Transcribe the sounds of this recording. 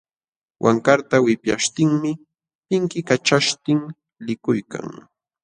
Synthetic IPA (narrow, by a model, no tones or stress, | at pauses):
wʔa̰ŋkaɾt̪awɪpjaʃt̪ɪŋmɪ | pɪŋkɪkat͡ʃaʃt̪ɪŋ | lɪkʊjka̰ŋ